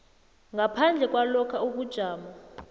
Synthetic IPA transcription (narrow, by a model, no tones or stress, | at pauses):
ŋɡʱapʰand͡ɮʱɛk̬ʼwalɔkʰauk̬ud̥ʒ̥ʱaːma